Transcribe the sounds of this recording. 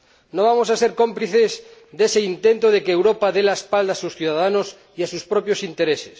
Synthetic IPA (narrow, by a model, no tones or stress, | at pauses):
noβ̞amosaseɾkompliθezðeseint̪ent̪oð̞ekeːwɾopaðelaespald̪asusθjuðaðanos | iasuspɾopjosint̪eɾese̥s